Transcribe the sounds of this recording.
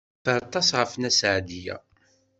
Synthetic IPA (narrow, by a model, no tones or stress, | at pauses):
fəɾˤt̪ˤːɑsʁəfnæsʕd̪ijæ̰